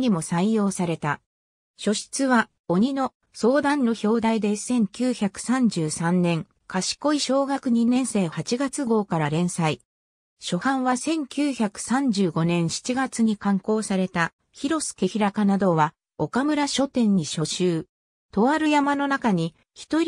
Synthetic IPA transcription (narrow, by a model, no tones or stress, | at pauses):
ɲ̟imo̞saijo̞ːsaɾe̞t̪a | ɕo̞ɕi̥t͡sɨβa | o̞ɲ̟ino̞ | so̞ːd̪ãnːo̞ço̞ːd̪aid̪e̞sẽ̞ŋkʲɨːçakɯ̟̥sãɲ̟d͡ʑɨːsãnnːẽ̞ŋ | kaɕi̥ko̞iɕo̞ːɡakɯ̟ɲ̟inẽ̞ɰ̃se̞ːhat͡ɕiɡat͡sɨɡo̞ːkaɾaɾẽ̞ɰ̃sai | ɕo̞hãɰ̃βasẽ̞ŋkʲɨːçakɯ̟̥sãɲ̟d͡ʑɨːɡo̞nẽ̞ɰ̃ɕi̥t͡ɕiɡat͡sɨɲ̟ikãŋko̞ːsaɾe̞t̪a | çiɾo̞sɨ̥ke̞çiɾakanad̪o̞βa | o̞kamɯ̟ɾaɕo̞t̪ẽ̞ɲ̟ːiɕo̞ɕɨː | t̪o̞βaɾɯ̟jamano̞nakaɲ̟i | çi̥t̪o̞